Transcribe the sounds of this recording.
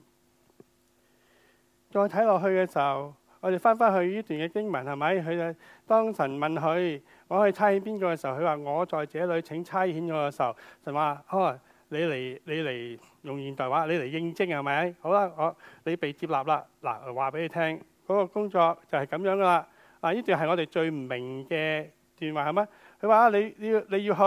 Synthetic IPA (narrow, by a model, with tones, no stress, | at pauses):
t͡ʃɔː˧jt̪ʰɐ˨˥jlɔː˨k̚ɦɵ˧ɥkɛː˧si˨w | ŋɔ˨˧˥d̪e˨jfaː˥nfaː˥nhɵ˧ɥjiː˥t̪yː˨nkɛː˧kɪ˥ŋmɐ˨˩nhɐ˨jmɐ˨˥jɦɵ˨˧˨t̪ɔː˥ŋsɐ˨˩nmɐ˨˩nɦɵ˨˧ɥ | ŋɔː˨˧hɵ˨˧jt͡sʰaː˥jhiː˨˥npiː˥nkɔː˧kɛː˧si˨˩˨wʰhɵ˧waː˨ŋɔː˨˧t͡sɔː˨jt͡sɛː˨˧˥lɵ˨˧ɥt͡sʰɪ˨˥ŋt͡sʰaː˥jhi˨˥njɔː˨˧˥kɛ˧si˨˩ɐ˨˩wsɐ˨˩nwaː˨ɔː˧˩ | le˨˧jle˨˩jle˨˧jle˨˩j | jʊ˨ŋjiː˨nt̪ɔː˨jwaː˨˥le˨˧jle˨˩jːɪ˥ŋt͡sɪ˥ŋhɐ˨˩mɐ˨˥jho˨˧˥wla˧ŋɔː˨˧le˨˧jpe˨jt͡siː˧p̚laː˨p̚la˧la̰˨˩˨waː˨˩pe˨˧˦jle˧tʰɛː˥ŋ | kɔː˨˦˥kɔː˧kʊ˥ŋt͡ʃɔː˧k̚t͡sɐ˨whɐ˨˩jkɐ˨˥mjœː˨˥ŋɡɐ˧la˧ | laː˨˩niː˥t̪yː˨˩nɦɐ˨jŋɔː˨˧te˨jt͡ʃɵ˧ɥm̩˨˩mɪ˨˩ŋkɛː˧ | t̪yː˨nwaː˨˩hɐ˨˩jma˧˥ | kʰɵ˧waː˨˧ʔaː˧le˨˧jli˧le˨˧jiː˧ɦ